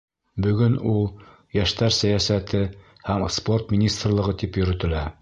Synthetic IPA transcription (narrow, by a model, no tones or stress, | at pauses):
bɵ̆ɡɵnulˠ | jæʃt̪æɾsæjæsæt̪ɘ | hæmspo̞rt̪mʲinʲist̪rlˠɤ̆ʁɤt̪ipjɵ̆ɾɵ̆t̪ɘ̆læ